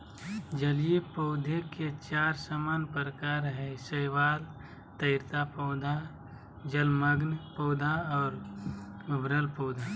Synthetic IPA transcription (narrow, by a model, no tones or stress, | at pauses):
d͡ʒəlijepoʊd̪ʱeket͡ʃaːɾsəmaːnpəɾkaɾɦɛ̃səɪʋaːl | t̪əɪɾt̪apoːd̪ʱa | d͡ʒəlməɡnpoːd̪ʱaɔːɾ | ʊbɾəlpoːd̪ʱa